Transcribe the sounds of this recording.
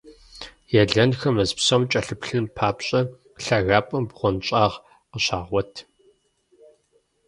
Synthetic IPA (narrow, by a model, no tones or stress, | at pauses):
jɛɮɐnxɐmɐzpsɐmt͡ʃʼɐɬɨpɬɨnpʰaːpɕʼɐ | ɬɐɣaːpʼɐmbʁʷɔnɕʼaːʁ | qəɕaːʁʷɔtʰ